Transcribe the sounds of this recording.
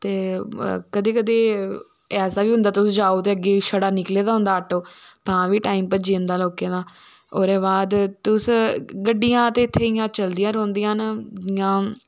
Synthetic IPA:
t̪eːkəd̪eːkəd̪eː | ɛːsaːʋiːɦʊ̃nd̪aːt̪ʊsd͡ʒaːoːt̪eːəɡːeːʃəɽaːnɪkleːd̪aːɦʊ̃nd̪aːəʈːoːt̪ãːʋiːʈaːiːmpəd͡ʒiːnd̪aːloːkeːd̪aː | oːɾeːbaːd̪t̪ʊsɡəɖːijãːt̪eːɪt̪ʰːeːijãːt͡ʃəld̪ɪjãːɾõːnd̪ijãːnɪjãː

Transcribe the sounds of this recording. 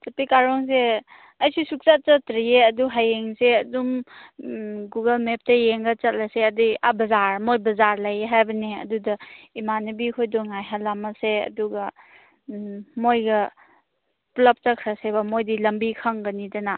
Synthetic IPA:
sɐpikaɾɔŋs̬e | ɐjsisuk̚t͡ʃat͡ʃɐtɾijeɐduɦajeŋseɐdum | ɡuɡɐlmep̚tɐjeŋɡɐt͡ʃɐt̚laseɐdia̰bɐzaɾmojbɐzaɾlɐjeɦajbɐneɐ̰dudɐimanɐbikʰojdɔŋajɦalːamɐseɐ̰duɡɐ | mojɡɐ | plɐp̚t͡ʃɐkʰɾɐsebɐmojdilɐmbikʰaŋɡɐnidɐna

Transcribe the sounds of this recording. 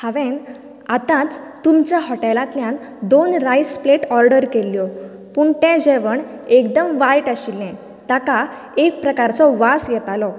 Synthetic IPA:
haʋɛ̃n | at̪ãt͡s | t̪umt͡ɕjaɦɔʈɛlãt̪ljãn | d̪onɾajspleʈɔɾɖəɾkeljɔ | puɳt̪ɛ̃d͡ʑɛʋəɳekd̪əmʋajʈaɕilɛ̃ | t̪aka | ek̚pɾəkaɾt͡sɔʋasjɛt̪alɔ

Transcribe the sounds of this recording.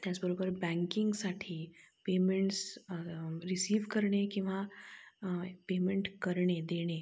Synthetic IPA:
t̪jat͡sbəɾobəɾbɛ̃ŋkiŋɡsaʈʰiː | pemeɳʈs | ɾisiːʋkəɾɳekĩw̃ʋa | pemeɳʈkəɾɳed̪eɽ̃e

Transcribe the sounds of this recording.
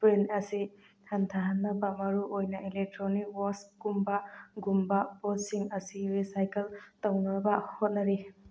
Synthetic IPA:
pɾenɐsi | hantʰaɦanːɐbamɐɾuʔojnailek̚tɾonik̚wɔsɡumbaɡumbapɔsiŋɐsiɾisajkeltawnɐɾɐbahot̚nɐɾi

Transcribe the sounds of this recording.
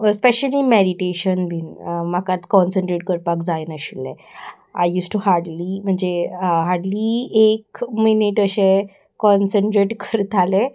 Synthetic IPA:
speɕəlimeɾiʈeɕənbʱinmakat̪kɔnsəɳʈɾeʈ̚kəɾpakd͡zajnəɕilːḛ̃ | a̰jjuːsʈuɦaɽlim̤əɳd͡zeɦaɽliːekminiʈəɕe | kɔnsəɳʈɾeʈkəɾt̪ʰale

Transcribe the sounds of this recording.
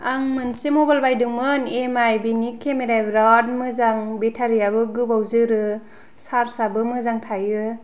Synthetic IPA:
aŋmɯnsimɔbalbajdɯŋmɯnemajbinikʰːemeɾajbɾat̚mɯzaŋbetʰaɾijabɯɡɯbawzɯɾɯ | saɾsabɯmɯzaŋtʰajɯ

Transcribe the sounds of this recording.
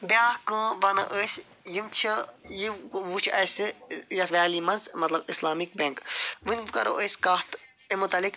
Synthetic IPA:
baːkɨ̃ʋɐnɐ̰ʔəsʲ | jimt͡ʃʰijiʋut͡ʃʰɐsɨjɐsʋaːlimɐnzmɐt̪lɐbislaːmik̚bɐŋkʋɨnʲʋɨkɐ̰ɾo̰ʔəsʲkat̪ | emut̪ɐlik

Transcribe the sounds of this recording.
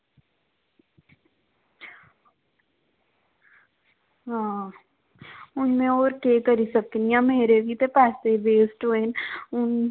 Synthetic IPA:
ɦã | ʊnmẽoːɾkeːkəɾisəkːnijãmeːɾebʱit̪epaːseibeːsʈoeːnʊn

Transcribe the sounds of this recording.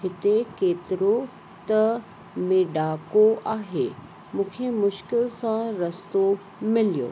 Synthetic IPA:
hɪt̪ekeːt̪ɪɾo | t̪ɐ | mẽɖaːkoʔaːɦe | mũːkʰemʊʃkɪlsãɾɐst̪o | mɪlijo̰ː

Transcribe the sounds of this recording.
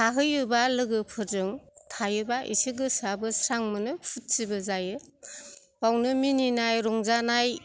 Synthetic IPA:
aɦɯjɯbalɯɡɯpʰɯɾzɯŋtʰajɯbaʔḭsiɡɯsabɯsɾaŋmɯnɯpʰut̚sibɯzajɯ | pawnɯmininajɾɔŋzanaj

